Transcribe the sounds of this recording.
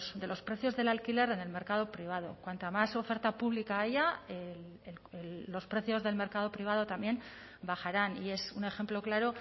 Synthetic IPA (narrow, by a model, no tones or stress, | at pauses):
sd̪e̞lo̞spɾe̞θjo̞zðe̞lalkile̞ɾe̞ne̞lme̞ɾkað̞o̞pɾiβað̞o̞̰kwant̪amaso̞fe̞ɾt̪apuβlikaaʝael | elelːo̞spɾe̞θjo̞zðe̞lme̞ɾkaðo̞pɾiβ̞aðo̞t̪ambje̞n | baχaɾanie̞sune̞xe̞mplo̞klaɾo̞